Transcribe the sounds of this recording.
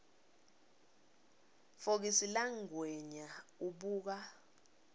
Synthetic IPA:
fok̬isilaŋɡwɛɲauɓuːk̬a

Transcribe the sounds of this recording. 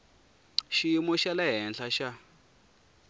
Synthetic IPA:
ʃiimɔʃalaɦɛnɬaʃa

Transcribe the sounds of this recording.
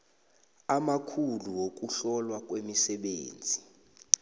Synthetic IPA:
amakʰuluwok̬ʼuɬɔlwak̬ʼwemisɛɓeːnd͡zʱi

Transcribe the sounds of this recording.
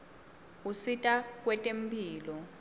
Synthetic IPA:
usitʼak̬ʼwɛtʼempʼiːlɔ

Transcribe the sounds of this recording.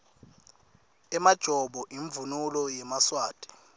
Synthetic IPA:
ɛmad̥ʒ̥ʱɔɓɔʔiɱvunulɔjɛmaswaːd̥ʱɛ̥

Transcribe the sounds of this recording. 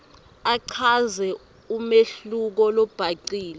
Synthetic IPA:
aǀʰazɛ | umeɬuk̬ɔlɔb̥ʱaǀiːlɛ

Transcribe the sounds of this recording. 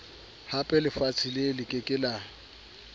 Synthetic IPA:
hapʼɛlɪfat͡sʰɪlelɪkʼɪkʼɪla

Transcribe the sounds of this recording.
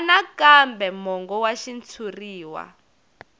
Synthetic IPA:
nakambɛmɔŋɡɔwaʃint͡sʰuriːwa̰

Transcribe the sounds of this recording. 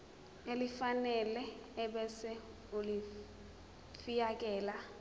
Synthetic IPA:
elɪfanɛlɛɛbɛsɛ | ʊlɪ | fijakʼɛːla

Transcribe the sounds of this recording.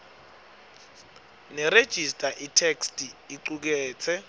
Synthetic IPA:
nɛred̥ʒ̥ʱistʼaʔitʰekstʼiiǀuk̬ɛːt͡sʰɛ

